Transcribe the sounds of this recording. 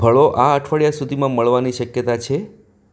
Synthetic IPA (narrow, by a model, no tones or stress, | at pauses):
bʱəɭoʔaəʈʰʋəɭjasud̪ʱimãməɭʋaniʃəkjət̪at͡ʃʰe